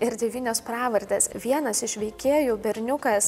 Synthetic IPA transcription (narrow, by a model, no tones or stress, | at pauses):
ɪɾd̪ʲɛʋʲiːnʲoːspɾɑːʋɐɾʲd̪ʲesʋʲiɛnɐsɪʃʋʲɛɪkʲeːjʊːbʲɛɾʲnʲʊkɐs